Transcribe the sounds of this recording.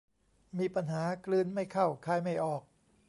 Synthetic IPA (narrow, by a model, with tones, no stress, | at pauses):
miː˧pa˧nɦaː˩˦klɯː˧nma˥˩jkʰa˥˩wkʰaː˧˩jma˥˩jʔɔː˨˩k̚